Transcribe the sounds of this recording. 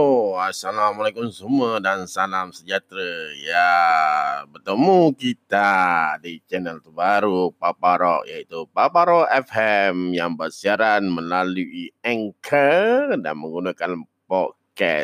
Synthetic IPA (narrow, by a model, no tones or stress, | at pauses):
oasalamalajkʊmsumədansalamsəd͡ʒat̪ɾəja | bərt̪əmukit̪adit͡ʃɛnɛlt̪əbaɾupapaɾɔ̰ʔjait̪upapaɾɔʔɛfɛmjaŋbərsiaɾanmə̃laluʔiaŋkʰəda̰nmə̃ŋɡunakan | pɔt̚kɛ̰s